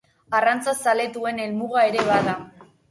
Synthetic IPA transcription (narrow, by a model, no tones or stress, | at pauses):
arant͡sasale̞t̪ue̞ne̞lmuɣae̞ɾe̞βaða